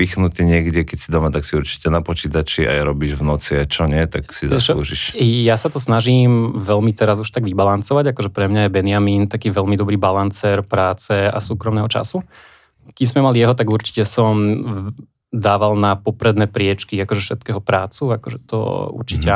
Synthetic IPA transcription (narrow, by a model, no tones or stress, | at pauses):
ixnut̪iːɲɪɛɡɟɛkɛcsid̪ɔmat̪aksiuɾt͡ʃi̥cɛnapɔt͡ʃiːt̪at͡ʃia̰jɾɔbiːʒvnɔt͡siat͡ʃɔɲɪɛt̪aksizaslˠṵːʒiʃjasat̪ɔsnaʒiːmʋɛʎmit̪ɛɾazuʃt̪aɡʋibalant͡sɔʋaɟakɔʒɛpɾɛmɲajɛbɛnɪjamiːnt̪akiːʋɛʎmid̪ɔbɾiːbalant͡sɛːɾpɾaːt͡sɛa̰suːkɾɔmnɛːɦɔt͡ʃa̰su | kiɲzmɛmalijɛɦɔt̪̬aɡuɾt͡ʃi̥cɛsɔm | d̪aːʋalnapɔpɾɛd̪nɛːpɾɪɛt͡ʃkiakɔʒɛfʃɛt̪kɛːɦɔpɾaːt͡suakɔʒɛt̪ɔ̰ṵɾt͡ʃicɛ